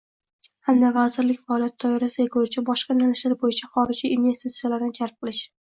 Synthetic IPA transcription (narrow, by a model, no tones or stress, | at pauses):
hand̪avazɪɾlɪkʲfaːlijat̪ʰːɒjɑɾasɪeqʰɪlɪt͡ʃʰabɒʃqɑnalɪʃlaɾbojɪt͡ʃʰaχɒɾɪd͡ʒiːnve̞st̪it̪sijalaɾnɪnd͡ʒaɾˠp̚qʰɨlˠɪʃ